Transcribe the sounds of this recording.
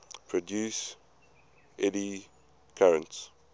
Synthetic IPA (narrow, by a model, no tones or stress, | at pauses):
pʰɹɔdjuːs | ɛdi | kʰaɹə̃nts